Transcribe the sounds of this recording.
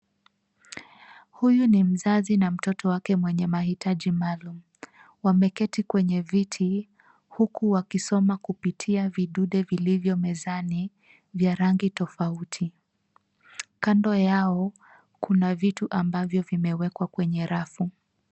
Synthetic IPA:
hujunim̩zazinam̩tɔtɔwakɛmwɛɲɛmahitʰaʄimalum̩ | wamɛkɛtikwɛɲɛvitʰi | hukuwakisɔmakupitʰiaviɗuɗɛvilivjɔmɛzani | vjaɾaŋɡitɔfautʰi | kandɔjaɔ | kunavituʔambavjɔvimɛwɛkwakwɛɲɛɾafu

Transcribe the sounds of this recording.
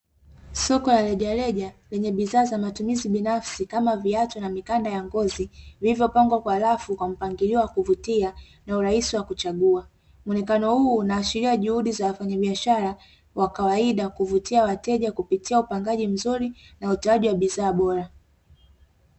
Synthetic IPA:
sɔkɔlalɛʄalɛʄalɛɲɛɓiðaːzamatumiziɓinafsikamaviatɔnamikandajaŋɡɔzivilivjɔpaŋɡwakwahlafukwam̩paŋɡiliɔwakuvutia | nauɾahisiwakut͡ʃaɠua | mɔnɛkanɔhuːnaːʃiɾiaʄuhuɗizawafaɲaɓiaʃaɾa | wʔakawaiɗakuvutiawatɛʄakupitiaupaŋɡaʄim̩zuɾinautɛaʄiwaɓiðaːɓɔɾa

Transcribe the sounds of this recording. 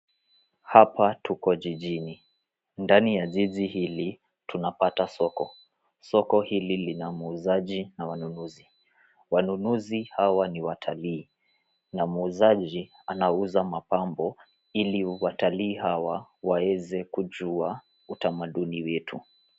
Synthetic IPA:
hapatukɔʄiʄini | ndanijazizihili | tunapatasɔkɔ | sɔkɔhililinamuzaʄinawanunuzi | wanunuzihawaniwatʰaliː | namuzaʄi | anauzamapambɔ | iliwataliːɦawawawɛzɛkuʄua | utamaɗuniwɛtʰu

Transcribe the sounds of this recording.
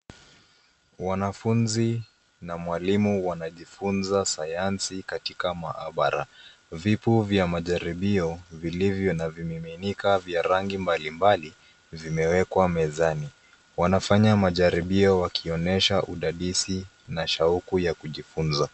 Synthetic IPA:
wanafunzi | namwalimuwanaʄifunzasajansikatikamaʔa̰ɓaɾavipuvjamaʄaɾiɓiɔvilivjɔnavimiminikavjaɾaŋɡimbalimbali | vimɛwɛkwamɛzani | wanafaɲamaʄaɾiɓiɔwakʰiɔnɛʃaʔuɗaɗisi | naʃaukujakuʄifunza

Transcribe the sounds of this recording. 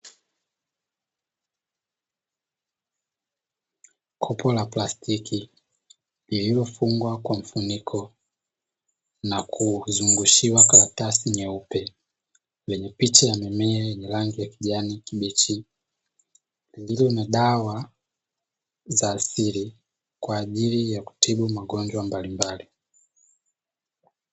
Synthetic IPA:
kʰɔpɔlaplastʰiki | lililɔfuŋɡwakwam̩funikʰɔ | nakʰuzuŋɡuʃiwakaɾatasiɲɛupɛ | lɛɲɛpit͡ʃajamɛmɛɛjɛɲɛlaŋɡijakiʄanikiɓit͡ʃi | lililɔnaɗawa | zaːsili | kwaːʄilijaku̥tiɓumaɡɔɲd͡ʒwambalimbali

